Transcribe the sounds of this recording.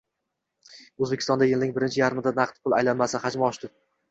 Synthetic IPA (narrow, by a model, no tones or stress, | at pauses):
ɵzbekʲɪ̥st̪ɒnd̪ajɪlnɪŋbɪɾɪnt͡ʃʰɪjaɾɪmɪd̪anɑqt̪pʰʊlˠa̰jlanmasɪhad͡ʒmaɒʃt̪ɪ